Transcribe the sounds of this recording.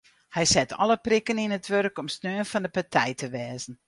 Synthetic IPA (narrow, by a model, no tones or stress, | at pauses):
hɛjsɛtʰɔ̰lˠəprikəninətʋørkɔmsnøːənfɑndəpatʰɛjtəʋɛːzən̩